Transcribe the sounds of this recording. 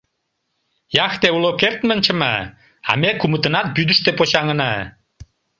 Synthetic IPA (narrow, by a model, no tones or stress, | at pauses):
jɑxt̪eulokert̪mənʲt͡ɕə̆mɑ | ɑ̰mekumət̪ə̆nɑt̪̚byd̪əʃt̪epoɕɑŋənɑ